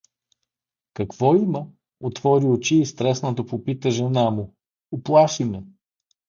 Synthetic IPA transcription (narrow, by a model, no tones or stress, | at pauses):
kɐkv̥ɔimə | ot̪vɔɾiot͡ʃiːst̪ɾɛsnət̪əpopit̪əʒɛnamʊ | oplˠaʃimɛ